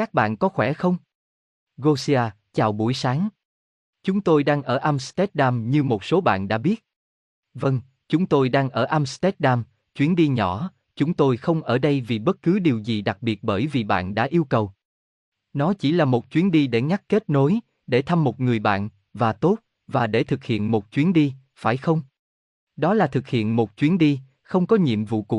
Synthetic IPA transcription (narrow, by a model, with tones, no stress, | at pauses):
kaː˦˥k̚ɓa̰ː˧˨nkɔ˨˦xwɛ˧˩xə˧wŋ͡m | ɣo˧si˧aː˧ | t͡ɕaː˨˩wɓu˧˩əjsaː˨˦ŋ | t͡ɕʊ˨˦ŋ͡mt̪o˧jɗaː˧ŋʔəː˧˩ʔa˧mst̪ɛ˦˥t̚ɗaː˧mɲɨ˧mo˨˩t̚so˨˦ɓa̰ː˧˨nɗa̰ː˧˥ɓi˦˥ət̚ | və˧ŋ | t͡ɕʊ˨˦ŋ͡mt̪o˧jɗaː˧ŋʔəː˧˩ʔa˧mst̪ɛ˦˥t̚ɗaː˧m | t͡ɕwi˨˦nɗi˧ɲɔ˧˩˦ | t͡ɕʊ˨˦ŋ͡mt̪o˧jxə˧wŋ͡mʔəː˧˩ɗə˧jvi˨˩ɓə˦˥t̚kɨ˨˦ɗi˨˩əwzi˨˩ɗa˨˩k̚ɓi˨˩ət̚ɓəː˧˩jvi˨˩ɓa̰ː˧˨nɗa̰ː˧˥ʔi˧əwkə˨˩w | nɔ˨˦t͡ɕi˧˩laː˨˩mo˨˩t̚t͡ɕwi˨˦ənɗi˧ɗe˧˩ŋa˦˥k̚ke˦˥t̚no˨˦j | ɗe˧˩t̪ʰa˧mːo˨˩t̚ŋɨ˨˩əjɓa̰ː˧˨n | vaː˨˩t̪o˦˥t̚ | vaː˨˩ɗe˧˩t̪ʰɨ˨˩k̚hḭ˧˨ənmo˨˩t̚t͡ɕwi˨˦ənɗi˧ | faː˧˩jxə˧wŋ͡m | ɗɔ˨˦laː˨˩t̪ʰɨ˨˩k̚hḭ˧˨ənmo˨˩t̚t͡ɕwi˨˦ənɗi˧ | xə˧wŋ͡mkɔ˨˦ɲḭ˧˨əmvṵ˧˨kṵ˧˨